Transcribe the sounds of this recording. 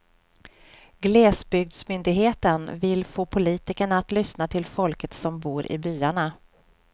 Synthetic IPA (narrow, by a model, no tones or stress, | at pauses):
ɡlɛːsbʏɡ̚d̪smʏnd̪ɪɡɦeːt̪ənvɪlːfoːpʰʊliːt̪ɪkəɳaːt̪lʏsnat̪ʰɪlfɔlkət̪sɔmbuːɾʔɪ̰byːaɳa